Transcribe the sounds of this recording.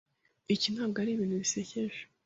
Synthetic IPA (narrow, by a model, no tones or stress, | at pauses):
icinaɡaɾiβiːnuβiseçeʒḁ